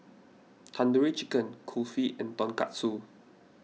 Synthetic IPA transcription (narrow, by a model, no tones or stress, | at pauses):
t̪ʰãndəɹit͡ʃikə̃nkʰulfiʔɛ̃nt̪ɔ̃nka̰tsu